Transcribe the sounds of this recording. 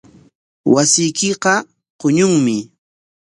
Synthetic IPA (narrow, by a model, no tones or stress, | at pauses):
wasɪjkɪqɑ | qʊɲʊŋmɪ